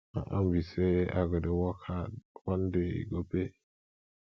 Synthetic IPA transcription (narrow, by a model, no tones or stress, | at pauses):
a̰ʔambisɛa̰ɡɔdɛwɔkʰawɔndɛḭɡɔbɛ